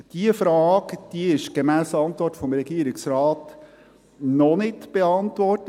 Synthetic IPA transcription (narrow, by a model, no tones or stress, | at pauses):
d̥iəfɾɑːɡd̥iɪʃɡ̥emæːsəɑnt̪ʋɔrtfɔmɾɛɡiəɾɪksɾɑːt | nɔnɪtb̥eɑntʋɔrtə